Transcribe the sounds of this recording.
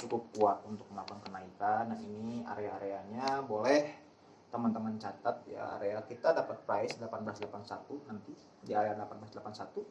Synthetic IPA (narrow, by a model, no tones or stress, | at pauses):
t͡ʃukʊp̚kuaʔunt̪ʊk̚məlapankənaikanainia̰ɾeaːɾeaɲabolɛh | t̪əmant̪əmant͡ʃat̪at̪̚ja̰a̰ɾeakit̪adapat̪̚pɾaisdəlapanblasdəlapansat̪unant̪i | diaɾeadəlapanblasdlapansat̪u